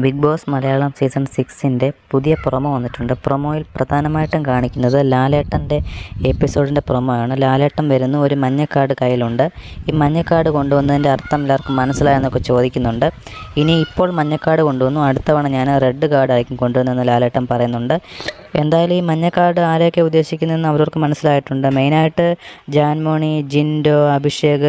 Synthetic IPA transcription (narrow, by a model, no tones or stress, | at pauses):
biɡ̚bo̞ːsmɐlɐjaːɭɐmsiːsɐɳsiksinde̞puðijɐpurɐmoːʋɐnːitːuɳɖɨprɐmo̞ːjilprɐd̪ʱaːnɐmaːjiʈːɐmkaːɳikʲːunːɐðɨlaːleːʈːɐnde̞epːiso̞ːɽinde̞purɐmɐjaːɳɨlaːleːʈːɐmʋɐɾunːuoɾumɐɲːɐkːaːrɽɨkɐjːiluɳɖɨiːmɐɲːɐkːaːrɽɨko̞ɳɖuʋɐnːɐðinde̞ɐrt̪ːɐmlaːrkɨmːɐnɐsːilaːjenːo̞kːe̞t͡ɕo̞ːd̪ikʲːunːuɳɖɨiniːipːo̞ːɭmɐɲːɐkːaːɽɨko̞ɳɖuʋɐnːuɐɽut̪ːɐʋaːɳɨɲaːnre̞ɖːɨkaːɽɨɐjikʲːumko̞ɳɖuʋɐnːenːɨlaːleːʈːɐmpɐrɐjunːuɳɖɨ | e̞nd̪aːjalumiːmɐɲːɐkːaːrɽɨaːɾokːe̞ud̪ːe̞ːɕikʲːunɐenːɨɐʋɐɾo̞rkɨmɐnɐsːilaːjiʈːuɳɖɨme̞jnaːjiʈːɨd͡ʑaːnmoːɳid͡ʑindo̞ːɐbʱiʂje̞ːɣɐ